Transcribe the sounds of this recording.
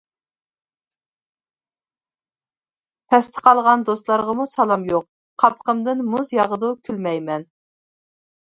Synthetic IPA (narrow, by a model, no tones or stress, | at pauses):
t̪ʰɛst̪ʰə̥qʰɑlˠʁɑnd̪ost̪lˠɑɾʁəmusɑlˠɑmjoq̚ | qʰɑpʰqəmd̪ɨnmuzjɑʁəd̪ukʲʰylmɛjmɛn